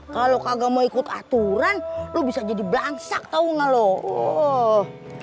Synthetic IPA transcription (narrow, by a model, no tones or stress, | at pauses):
kalokaɡamoikʊt̪a̰t̪uɾanlobisad͡ʒadibəlaŋsak̚t̪auŋaloo